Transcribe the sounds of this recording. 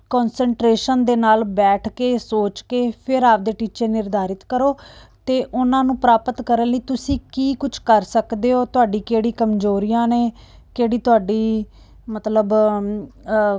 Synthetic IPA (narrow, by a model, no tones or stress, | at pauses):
kɔːnsəɳʈɾeːʃənd̪eːnaːlbɛːʈʰkeːsoːt͡ʃkeːpʰɪɾaːp̚d̪eːʈiːt͡ʃəːnɪɾd̪ʱaːɾɪt̪kəɾoːt̪eːʔʊnãːnũːpɾaːpət̪kəɾənləiːt̪ʊsĩːkiːkʊt͡ʃʰkəɾsəkd̪eːoːt̪ʊaːɖiːkeːɽiːkəmd͡ʒoːɾijãːneːkeːɽiːt̪ʊaːɖiː | mət̪ləb